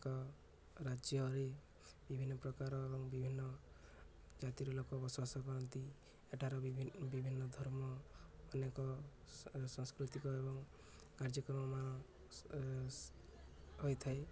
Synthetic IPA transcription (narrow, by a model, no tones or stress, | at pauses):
kɔ | ɾad͡ʒjɔɾe | bibʱinːɔpɾɔkaɾɔebɔŋbibʱinːɔ | d͡ʒat̪iɾɔlokɔbɔswasɔkɔɾɔnt̪i | eʈʰaɾɔbibʱinːɔd̪ʱɔɾmɔːnekɔ | sɔŋskɾut̪ikɔebɔŋ | kaɾd͡ʒɔkɾɔmɔmanɔ | ɦojt̪ʰae